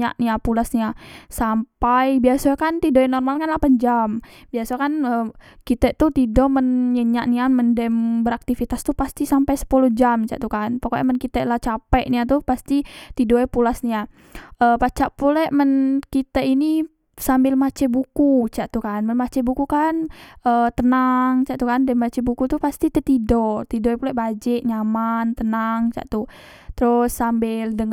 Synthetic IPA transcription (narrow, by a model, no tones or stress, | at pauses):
a̰ʔniapulasniasampajbiasakant̪idoɛnɔrmalkanlahpand͡ʒambiasakanəkit̪ɛʔt̪ut̪idɔmənɲəɲaʔniaməndɛmbəɾak̚t̪ifit̪ast̪upast̪isampajsə̥pulɔhd͡ʒamt͡ʃa̰ʔt̪ukanpakoɛmənkit̪ɛʔlaht͡ʃapɛʔniat̪upast̪it̪idoɛpulasnia | ʔəpat͡ʃaʔpulɛʔmənkit̪aini | sambɪlmat͡ʃɛbukut͡ʃaʔt̪ukanmənmat͡ʃɛbukukanʔət̪ənaŋt͡ʃaʔt̪ukandɛmat͡ʃɛbukut̪upast̪it̪ɛt̪idɔt̪idoɛpulɛʔbad͡ʒɪʔɲamant̪ənaŋt͡ʃa̰ʔt̪u | t̪ɾʊsːambɪldəŋ